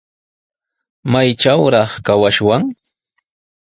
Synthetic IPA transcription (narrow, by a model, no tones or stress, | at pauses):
majt͡ʃawɾɑχkawaʃwaŋ